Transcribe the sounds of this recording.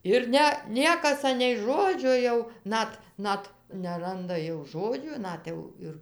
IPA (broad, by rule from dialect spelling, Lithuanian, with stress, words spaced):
ɪr ˈnʲɛ ˈnʲiɛkɐs ˈɑːnʲɛɪ ˈʒoːd͡ʒʲoː jɛʊ ˈnɐt ˈnɐt nʲɛˈrɐndɐ jɛʊ ˈʒoːd͡ʒʲuː ˈnɐt jɛʊ ɪr